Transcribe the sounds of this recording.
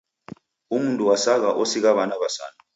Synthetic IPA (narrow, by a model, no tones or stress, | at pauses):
umuntʼuwasak̬aʔosiɣ̬aβanaβasa̰ːna